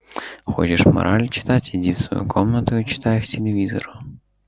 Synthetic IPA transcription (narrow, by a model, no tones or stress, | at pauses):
xo̰t͡ɕɪʂmɐ̰ɾʔalʲt͡ɕɪ̥t̪atʲidʲifsvɐ̰jṵkʰomnət̪ʊjt͡ɕɪ̥t̪ajɪxtʲɪlʲɪvʲizo̰ɾʊ